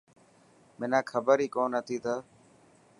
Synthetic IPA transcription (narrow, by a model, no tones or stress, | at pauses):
mɪnaːkʰəbəɾiːkoːnət̪ʰiːt̪ʰəː